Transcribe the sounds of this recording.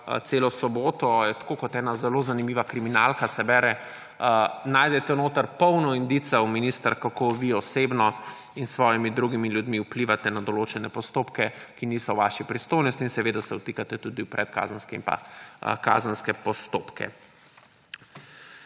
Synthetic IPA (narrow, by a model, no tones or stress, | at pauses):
t̪seːlɔsɔboːt̪ɔjɛt̪ḁkokɔt̪ɛːnazɛlozanimiːʋakɾiminalkasɛbɛɾɛ | naːjd̪ɛt̪ɛnoːt̪əɾpɔwnɔind̪it̪sɛwminist̪əɾkakoʋiɔsebnɔ | insʋɔːjimid̪ɾuɡimiljud̪miupliːʋat̪ɛnad̪ɔloːt͡ʃɛnɛpɔst̪oːpkɛkiniːsɔʋaʃipɾist̪oːjnɔst̪iːnsɛʋeːd̪asɛwt̪iːkat̪ɛt̪ud̪iwpɾɛt̪ka̰zənskɛḭnpa̰ka̰zənskɛpɔst̪oːpkɛ̰